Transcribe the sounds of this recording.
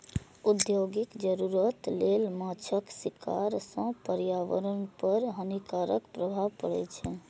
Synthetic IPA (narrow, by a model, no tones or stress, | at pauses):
ud̪joɡikd͡ʒəɾuɾət̪lelmat͡ʃʰəksika̰ɾsə̃pəɾjaʋə̰ɾənpəɾɦənikaɾəkpɾəbʱaʋpəɽɛ̰t͡ʃʰɛ